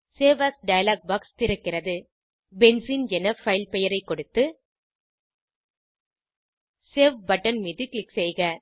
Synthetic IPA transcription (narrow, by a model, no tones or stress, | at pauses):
seːʋasɖɐjɐlaːk̚baːkst̪ɪɾɯkːɪrɐðɯ | bɛnsiːnd͡ʒɛnɐfɐɪlpɛjɐɾɐɪkːɔɽɯt̪ːɯ | seːʋbɐʈːɐnmiːðɯklɪksɛjɣɐ